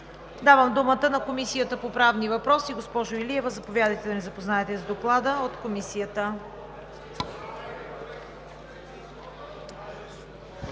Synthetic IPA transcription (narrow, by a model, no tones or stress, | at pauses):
d̪avəmd̪umət̪ənɐkomisijət̪əpopɾavnivɐpɾɔsiɡospɔʒoiliɛvəzɐpovʲjad̪əjt̪ɛd̪ɐnɛzɐpoznaɛt̪ɛzd̪oklˠad̪əot̪komisijət̪ə